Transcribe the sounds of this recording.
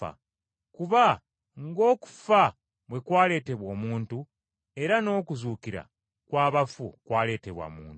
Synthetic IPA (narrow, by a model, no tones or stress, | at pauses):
a̰ | kuβa | ŋɡo̞ːku̥fa | βwe̞kwaːle̞ːte̞βwo̞ːmuːntu | e̞ɾano̞ːkuzuːkiɾa̰ | kwaːβafṵkwaːle̞ːte̞βwa̰muːnt